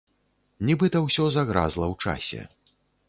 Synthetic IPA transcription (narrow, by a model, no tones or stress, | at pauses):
nʲibɨt̪ɐwsʲɔzaɣɾa̰zlˠɐwt͡ʂa̰sʲɛ̰